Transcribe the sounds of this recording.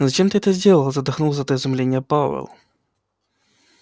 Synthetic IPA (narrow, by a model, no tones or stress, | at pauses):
zɐt͡ɕemt̪ɨɛt̪əzʲdʲelˠəlˠzɐd̪ɐxnulˠzɐɛt̪əɪzʊmlʲenʲːɪjəpavɛ̰lˠ